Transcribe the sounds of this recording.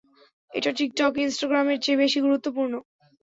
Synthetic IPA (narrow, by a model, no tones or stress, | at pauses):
ḛʈaʈik̚ʈɔkinsʈaɡɾameɾt͡ɕebeʃiɡuɾut̪ːopuɾno